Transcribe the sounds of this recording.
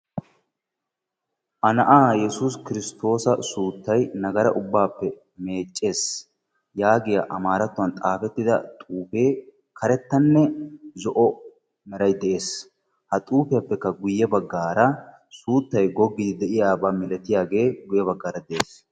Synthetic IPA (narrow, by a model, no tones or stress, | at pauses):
ʔɐnɐʔaːjɛsuːskɪɾɪst̪o̞ːsɐsuːt̪ːɐjnɐɡɐɾɐ̰ʔʊbːaːpːɛ | me̞ːt͡ʃʼːe̞ːs | jaːɡɪjɐʔɐmaːɾɐt̪ːʊɐnt̪ʼaːfɛt̪ːɪd̪ɐ̰t̪ʼuːfeː | kʰɐɾɛt̪ːɐnːɛzɔʔɔ | mɛɾɐjd̪ɛʔe̞ːs | hɐt̪ʼuːfɛjɐpːɛkːɐɡʊjːɛbɐɡːaːɾɐ | suːt̪ːɐjɡɔɡːɪd̪ɪd̪ɛʔɪjaːbaːmɪlɛt̪ɪjaːɡe̞ːɡʊjɛbɐɡːaːɾɐd̪ɛʔeːs